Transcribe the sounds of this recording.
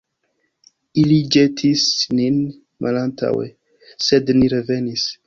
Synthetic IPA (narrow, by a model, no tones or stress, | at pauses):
ilid͡ʒetʰisnin | mʔalanta̰wḛ | sedniɾeve̞nis